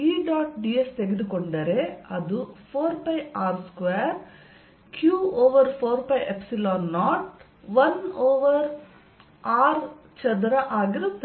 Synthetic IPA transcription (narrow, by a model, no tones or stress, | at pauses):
iːɖaːʈɖiːest̪eɡed̪ukoɳɖɐɾeɐd̪upʰoːɾpɐjaːɾskʋeːɾ | kjuːoːʋɐɾpʰoːɾpɐjʔepsilaːnːaːʈ | ʋɐnoːʋɐɾ | aːɾ | t͡ʃɐd̪ɾɐʔaːɡiɾut̪ː